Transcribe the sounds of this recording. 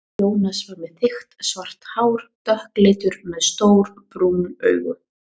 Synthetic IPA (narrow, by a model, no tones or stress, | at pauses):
oːwnasvaɾmɛðθɪxt̪svar̥t̪haːwɾ̥t̪œhklɪːt̪ʏɾmɛðst̪owɾ | pɾuːnœ̰ːɥɣʏ̰